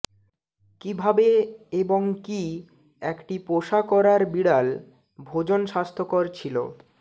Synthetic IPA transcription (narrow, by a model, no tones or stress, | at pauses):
kibʱabeeboŋki | ɛkʈipoʃakɔɾaɾbiɽal | bʱod͡ʑonʃast̪ʰokoɾt͡ɕʰilo̰